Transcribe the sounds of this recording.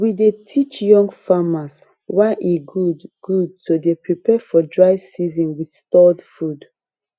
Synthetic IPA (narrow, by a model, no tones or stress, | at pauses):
widetʰit͡ʃjɔ̃ŋɡfamas | waɪʔiɡudɡ̥ud̚todepɹipɛfɔdɹaɪsizɔ̃nwidstɔdfud